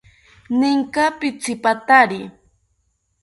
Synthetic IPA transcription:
nɪŋkapɪt͡sɪpat̪aɾɪ

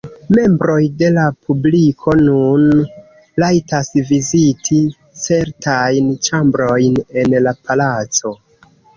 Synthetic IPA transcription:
me̞mbɾo̞jde̞lapʰublikʰo̞nun | lajtasvizitʰi | t͡se̞ɾtajnt͡ʃambɾo̞jne̞nlapalat͡so̞

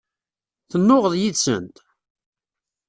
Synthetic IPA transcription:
θənːʊʁəðˤjisə̰nt̪

